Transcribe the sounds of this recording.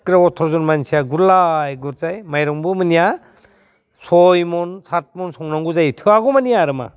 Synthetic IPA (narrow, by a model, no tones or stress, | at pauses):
kɾaɔtʰːɔɾzɔnmansʰijaɡuɾlajɡuɾzajmajɾɔŋbɯmɯnija | sɔjmɔnsʰat̚mɔnsɔŋnaŋɡuzajtʰɯaɡɔmanijaɾɯma̰